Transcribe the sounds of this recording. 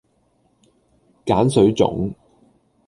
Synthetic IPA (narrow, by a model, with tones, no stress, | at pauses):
kaː˨˥nsɵ˨˥ɥt͡sʊ̰˨˧˥ŋ